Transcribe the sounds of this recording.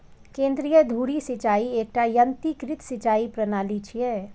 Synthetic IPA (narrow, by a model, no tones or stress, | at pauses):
kẽːnd̪ɾijəd̪ʱuːɾisɪt͡ʃaːieːk̚ʈajənt̪ikɾɪt̪sɪt͡ʃaːipɾənaːlit͡ʃʰiɛː